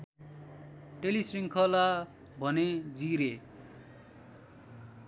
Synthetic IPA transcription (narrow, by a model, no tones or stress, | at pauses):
ʈelisriŋkʰʌla | bʱʌned͡ziɾe